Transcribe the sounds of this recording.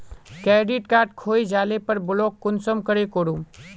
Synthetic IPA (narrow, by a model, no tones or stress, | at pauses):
kɛːɖɪʈkaːɾʈ̚kʰoːid͡ʒaːlepɐɾbʊloːkːʊnsəmkəɾekoːɽũːm